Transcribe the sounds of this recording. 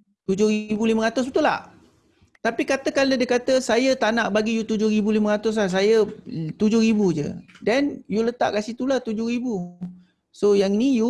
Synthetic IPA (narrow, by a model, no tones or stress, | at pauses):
t̪ud͡ʒʊhribuliməŋat̪ʊs̬bət̪ula̰ | t̪apikat̪əkandadəkat̪əsajət̪anaʔbaɡijut̪ud͡ʒʊhɾibuliməŋat̪ʊs̬lahs̬ajət̪ud͡ʒʊhɾibud͡ʒə̰danjulət̪a̰ʔkasit̪ulat̪ud͡ʒʊhɾibu | sojaŋniju